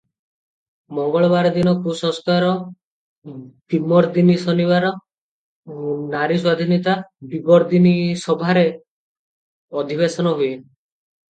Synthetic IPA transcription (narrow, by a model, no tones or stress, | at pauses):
mɔŋɡɔɭɔbaɾɔd̪inɔkusɔ̃ŋskaɾɔ | t̪imɔɾd̪inisɔniβaɾɔ | naɾiswad̪ʱinit̪abibɔɾd̪inisɔbʱaɾe | ɔd̪ʱiβesɔnɔɦue